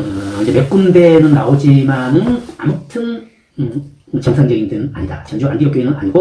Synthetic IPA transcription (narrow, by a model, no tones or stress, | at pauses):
ɯind͡ʑemek͈̚unde̞nɯnːaod͡ʑimanɯna̰mutʰɯn | ɯ | t͡ɕʌŋsʰand͡ʑʌɡindɯnɯna̰ɲida̰t͡ɕʌnd͡ʑua̰nɡijʌk͈oinɯna̰ɲiɡo